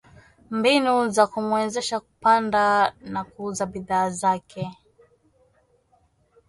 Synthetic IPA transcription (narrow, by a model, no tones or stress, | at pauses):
mbinuzakumwɛzɛʃaku̥pandanakuuzabiðaːzakʰɛ